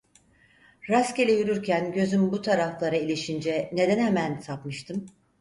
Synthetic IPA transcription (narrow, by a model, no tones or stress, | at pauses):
ɾascelʲejyɾyɾcʰænɟø̞zymbut̪ʰaɾaflˠaɾailʲiʃind͡ʒɛne̞d̪ænhemænsapmɯʃt̪ʰɯm